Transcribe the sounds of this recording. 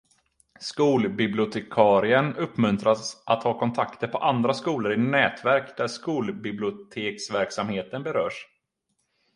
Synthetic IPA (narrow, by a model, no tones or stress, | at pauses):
skuːlbɪblɪʊt̪ʰɛkʰɑːɾɪənɵpːmɵnt̪ɾasʔat̪hɑːkʰɔnt̪ʰakt̪əɾpʰɔʔand̪ɾaskuːləɾɪnɛːt̪ʰvæɾkd̪æʂkuːlbɪblɪʊt̪ʰeːksvæɾksamheːt̪ənbɛɾœːʂ